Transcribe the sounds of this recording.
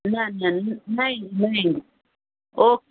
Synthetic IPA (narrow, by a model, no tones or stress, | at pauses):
nanannainai | ok